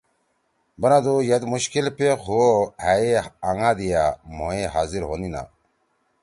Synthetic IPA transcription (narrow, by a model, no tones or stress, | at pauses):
bɐnad̪ojɐt̪muɕkilpexʰuohaeaŋaːd̪ijamoeɦaːziɾɦoːnina̰